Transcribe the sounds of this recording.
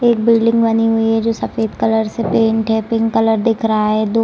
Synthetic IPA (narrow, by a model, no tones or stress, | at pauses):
eːk̚biːɖɪ̃ŋɡbɐniɦʊiɦɛd͡ʒoːsɐfeːd̪kɐləɾsepẽːɳʈɦɛpɪ̃ːɳkɐləɾd̪ɪkʰɾɐɦaɦɛd̪oː